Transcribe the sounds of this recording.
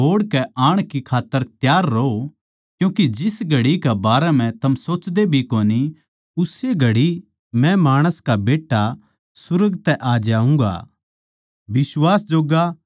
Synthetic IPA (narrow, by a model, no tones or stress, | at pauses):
ɦoːɽkɛaːɽ̃kikʰaːt̪ːəɾt̪jaːɾːoo | kjũːkid͡ʒɪsɡʱɐɽikɛbaːɾɛm̤ɛ̃t̪ɐmsoːt͡ʃd̪ebʱikoːni | ʊseɡʱɐɽi | mɛ̃maːɽ̃əskabeːʈːa | sʊɾəɡt̪ɛʔaːd͡ʒaːũŋɡa̰ | bɪswaːsd͡ʒoːɡa